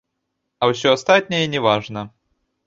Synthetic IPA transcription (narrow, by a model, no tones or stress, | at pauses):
ɐwsʲɔɐst̪at̪ʲnʲɛjɛnʲɛvaʐnɐ